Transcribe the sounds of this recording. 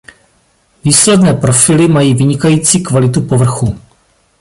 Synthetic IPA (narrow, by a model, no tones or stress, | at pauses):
viːslɛdnɛːpɾo̞fɪlɪmajiːvɪɲɪkajiːt͡siːkvalɪt̪upo̞vr̩xu